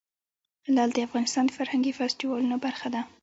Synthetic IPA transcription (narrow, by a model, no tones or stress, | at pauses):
lɑld̪əafɣɑnɪst̪ɑnd̪əfaɾhaŋɡifɛstiwɑlunobaɾxad̪a